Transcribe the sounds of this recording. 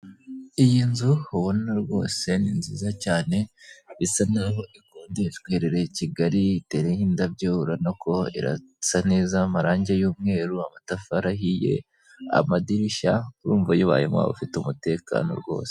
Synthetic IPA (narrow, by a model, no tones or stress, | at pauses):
ijinzuhuβonaɾɡwo̞̰ːse̞ninziːzacaːne̞βisanaɾɦo̞ʔikoːndeitweːɾeɾe̞ciɡaɾiite̞ɾehiːndabɟouɾanoko̞ḭɾa̰ | saneːzamaɾaːɲɟejuːmŋe̞ːɾuamatafaɾaɦije̞̰ | a̰madiɾiʃakuɾuːɱvajuβa̰ːjḛmwa̰ːβo̰fitumute̞ka̰ːnoɾɡo̞̰ːse